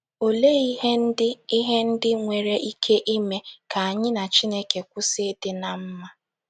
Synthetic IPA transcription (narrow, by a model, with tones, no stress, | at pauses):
o˨le˦i˦ɦe˦ɪ˦i˦ɦe˦n̩˦dɪ˦ŋʷe˨ɾe˦ʔi˦kʰe˦ʔi˦me˦ka˨a˨ɲɪ˦na˨t͡ʃi˦ne˦ke˨kʷʊ˦sɪ˦dɪ˦na˨m̩˦ma˦